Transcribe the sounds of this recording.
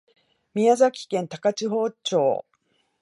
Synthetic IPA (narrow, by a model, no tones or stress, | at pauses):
mʲiazakʲi̥kẽnt̪akat͡ɕiɦo̞ːt͡ɕo̞̰ː